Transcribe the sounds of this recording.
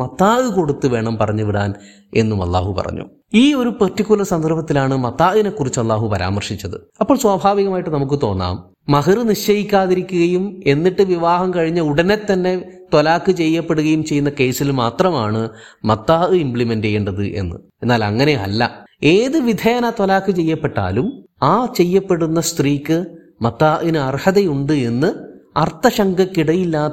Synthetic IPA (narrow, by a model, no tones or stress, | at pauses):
mɐt̪ːaːɨko̞ɽut̪ːuʋe̞ːɳɐmpɐrɐɲːuʋiɽaːn | e̞̰nːumɐ̰lːa̰ːɦupɐ̰rɐ̰ɲːṵ | iːo̞ɾupetːikːulɐsɐnd̪ʱɐrbɐt̪ːilaːɳɨmɐt̪ːaːʔine̞kːurit͡ɕːɐlːaːɦupɐɾa̰ːmɐrʂit͡ɕːɐðɨ̰ | ɐpːoːɭswaːbʱaːʋiɣɐmaːjiʈːɨnɐmuk̬ːɨt̪o̞ːnːa̰ːm | mɐɦɐrɨniʂt͡ɕɐjikʲːaːðiɾikʲːuɣɐjume̞nːiʈːɨʋiʋaːɦɐmkɐɻiɲːɐuɽɐnet̪ːɐnːe̞t̪olaːkːɨt͡ɕe̞jːɐpːe̞ɽuɣɐjumt͡ɕejːunːɐke̞ːsilmaːt̪rɐmaːɳɨmɐt̪ːaːʔɨimpɭimendejeːɳɖɐðɨ̰ʔe̞̰nːɨ̰e̞nːaːlɐ̰ŋːɐne̞ɐ̰lːɐ̰e̞ːðɨʋid̪ʱeːnɐt̪olaːkːɨt͡ɕe̞jːɐpːe̞ʈːa̰ːlum | aːt͡ɕe̞jːɐpːe̞ɽunːɐst̪riːkʲːɨ | mɐt̪ːaːʔinɨɐrhɐðejuɳɖɨe̞nːɨɐrt̪ːɐɕɐŋɡʱɐkːiɽɐjilːaː